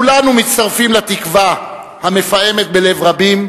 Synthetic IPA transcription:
kulanumit̪st̪aʁfimlat̪ikva | hame̞faje̞me̞t̪̚be̞le̞vʁabim

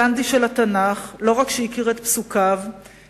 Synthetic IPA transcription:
and̪iʃelat̪anaχlo̞ʁakʃeikiʁet̪psukav

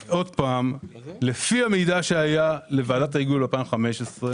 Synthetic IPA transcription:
ʔo̞d̪̚paːmle̞fiamejdaʃeajale̞vaːdat̪aiɡulapaimχame̞ʃesʁe

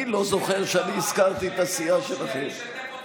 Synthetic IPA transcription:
ilo̞zo̞χeʁʃeaniːskaʁt̪iet̪asiaʃelaχem

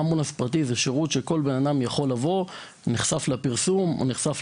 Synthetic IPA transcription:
munaspʁat̬izeʃeʁut̪ʃeko̞lbenadamjaχo̞lːavo̞ | niχsaflapiʁsumo̰niχsaf

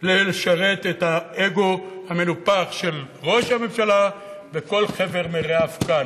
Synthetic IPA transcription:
leleʃaʁet̪ethaeɡo̞hame̞lupaχʃe̞l | ʁo̞ʃhame̞mʃala | veko̞lχe̞veʁmeʁeafkan

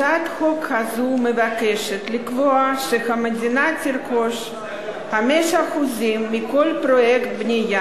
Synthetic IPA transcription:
at̪xokhazumevakeʃet̪likvoaʃexamadʲinatirkoʃ | xamɛʃaxuzimːikolpɾojekt̪̚bnʲija

